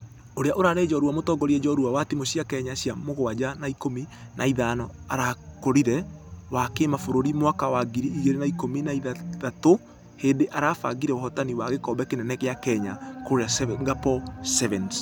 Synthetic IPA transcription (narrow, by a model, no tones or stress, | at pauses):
oɾeaʔoɾaːɾed͡ʒɔɾuwamotɔɡɔɾiɛd͡ʒɔɾuwawatimoɕjakɛɲaɕjamoɣoad͡ʑanaikominʔaiðanɔaɾakoɾiɾɛwakemafoɾoɾimwakawaɡiɾiːɣeɾenaikominaiðaðato | heːndeʔaɾaːfa̰ɡiɾɛɔhɔtaniwaɣekɔbɛkenɛnɛkeakɛɲakoɾeasɡapɔsɛvɛns